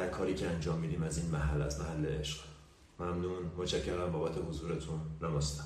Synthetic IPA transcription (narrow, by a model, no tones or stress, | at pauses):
d̪æɾkʰɒːɾiːcʰeænd͡ʒɒːmːiːd̪iːmæziːnmæɦælːæ̰zmæɦælːeeʃɢ̥ | mæmnuːnmot͡ʃʰæcʰːeɾæmbɒːbæt̪ʰe̞hozuːɾet̪ʰunːæmɒːst̪æ̥